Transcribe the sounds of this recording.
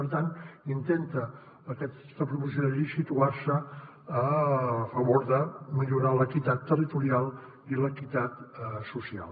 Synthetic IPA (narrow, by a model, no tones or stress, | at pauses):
pəɾt̪ant̪int̪ent̪əː | kɛ | t̪əpɾupusjoðəʎisit̪uaɾsəː | fəβoɾðəmiʎuɾaləkit̪at̪ːərit̪uɾialˠ | iləkit̪at̪susia̰lˠ